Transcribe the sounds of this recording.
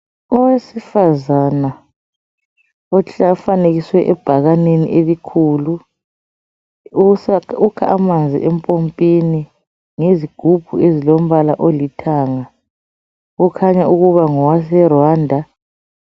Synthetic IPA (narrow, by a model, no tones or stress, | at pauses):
ɔwesifazana | ɔɬafaneɣiswɛʔɛb̥ʱaɣanenḭʔelikʰuːlu | sukʰaʔamand͡zʱḭʔɛmpʼompʼini | ŋeziɡ̥ʱub̥ʱuezilom̩βalaʔolitʰaːŋa | ɣukʰaɲauɣuβaŋɔwasɛrwaːndʱa